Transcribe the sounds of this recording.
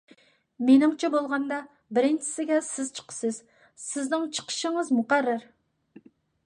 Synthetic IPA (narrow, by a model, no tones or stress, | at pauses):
menɪŋt͡ʃʰɛbolˠʁɑnd̪ɑ | bɪɾɪnt͡ʃʰɪ̥sɪɡʲɛsɪz̥t͡ʃʰə̥qʰə̥sɨz | sɪznɪŋt͡ʃʰə̥qʰə̥ʃəŋəzmuqæɾːɪɾ